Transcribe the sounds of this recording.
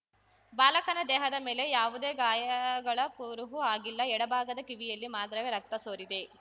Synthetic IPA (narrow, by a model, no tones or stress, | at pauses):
baːlɐkɐnɐd̪ɛːɦɐd̪ɐme̞ːlejaːʋud̪e̞ːɡaːjɐɡɐɭɐkuɾuɦuaːɡilːɐɛɽɐbʱaːɡɐd̪ɐkiʋijɐlːimaːd̪ɾɐʋeɾɐk̚t̪ɐsoːɾid̪e